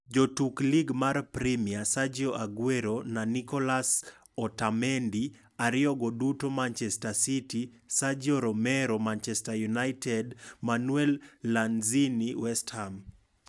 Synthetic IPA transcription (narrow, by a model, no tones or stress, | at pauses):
d͡ʒotukliɡmarpɾimiasad͡ʒoʔaɡweɾonanikɔlas | ɔtamɛndi | aɾɪɔɡodutomant͡ʃɛstasiti | sad͡ʒoɾɔmɛɾomant͡ʃɛstajunajtɛdmanwɛlːanziniwɛstham